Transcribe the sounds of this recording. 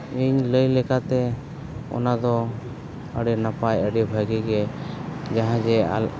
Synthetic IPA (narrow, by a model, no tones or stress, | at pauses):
iɲləjlɛkat̪ɛ | ɔ̰nad̪ɔ | əɖɛnapajəɖɛbʱəɡiɡɛ | d͡ʒaɦãd͡ʒɛ̰